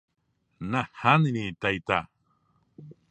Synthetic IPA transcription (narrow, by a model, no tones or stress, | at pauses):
nahaninit̪ajt̪a